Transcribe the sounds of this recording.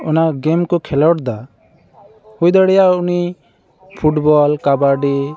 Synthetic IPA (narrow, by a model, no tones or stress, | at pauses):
ɔnaɡɛmkɔkʰɛlɔʈd̪a | hujd̪aɽɛjauni | pʰuʈbɔlkabaɖi